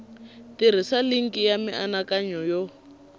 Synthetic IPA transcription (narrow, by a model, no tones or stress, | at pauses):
tiɾ̤isaliŋ̩kijamiʔanakaɲɔjɔ